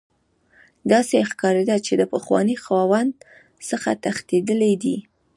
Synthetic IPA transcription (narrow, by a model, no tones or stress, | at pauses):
d̪ɑsexkɑɾed̪at͡ʃed̪əpəxwɑ̰nixwɑwand̪ | səxa̰t̪axt̪ed̪əled̪i